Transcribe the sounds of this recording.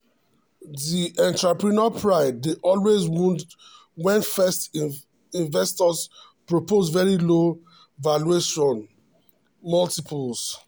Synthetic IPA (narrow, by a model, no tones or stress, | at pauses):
ðiʔɛ̃ntɹapɹinɔpʰɹaɪdːeʔɔlwezwũn | wɛ̃nfɛst | ĩnvɛstɔs | pɹopozvɛɹilo | valueʃɔ̃n | mɔltipʰuls